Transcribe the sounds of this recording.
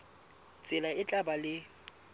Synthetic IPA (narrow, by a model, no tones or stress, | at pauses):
t͡sʼɪlaɪt͡ɬʼabalɪ